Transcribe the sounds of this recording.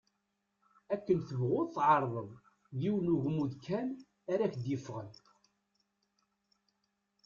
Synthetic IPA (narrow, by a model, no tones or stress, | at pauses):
ækːənθəvʁʊðˤθʕɑɾˤðˤəðˤ | ðiwnuʝmːuðkʰæn | æɾæçd̪jifʁən